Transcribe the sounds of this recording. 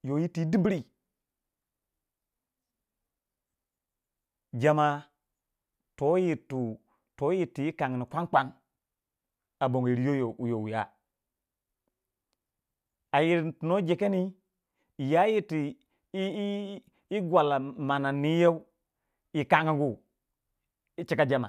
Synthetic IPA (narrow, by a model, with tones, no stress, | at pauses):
jo˨ji˦tːi˨˦di˦bi˦ɾi˦˨ | d͡ʒa˨ma˦ | to˨˦ji˨tu˨ | to˨˦ji˨ti˨ji˦ka˨ŋ˨ni˨kʷa˦ŋk͡pa˦ŋ | a˨bo˨ŋ˨i˨ɾi˨jo˦jo˨jo˨wja̰˦ | a˨ji˨ɾntu˨no˦d͡ʒe˨ke˦ni˦˨ | ja˦ji˦ti˨˦ | i˦ɡwa˨la˨ma˨na˨nːi˦je˦u˦ | i˨ka˦ŋi˦ɡu˦˨ | i˦t͡ʃi˦ka˦d͡ʒa˦ma̰˨